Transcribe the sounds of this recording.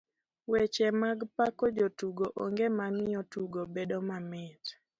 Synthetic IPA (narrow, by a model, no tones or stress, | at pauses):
wɛt͡ʃɛmaɡpakɔd͡ʒotuɡoʔɔŋɡemamɪjɔtuɡobedomamɪt